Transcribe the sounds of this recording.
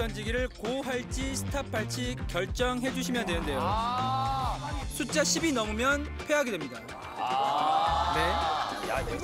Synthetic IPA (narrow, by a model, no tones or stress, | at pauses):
ʌnd͡ʑiɡiɾɯɭkoɦaɭt͡ɕ͈isʰɯ̥tʰapʰaɭt͡ɕ͈ʰikjʌɭt͡ɕ͈ʌŋɦe̞d͡ʑuɕʰimjʌndwenɯnde̞jo | sʰut͡ɕ͈aɕʰibinʌmumjʌn | pʰe̞ɦaɡe̞dwemɲida | ne̞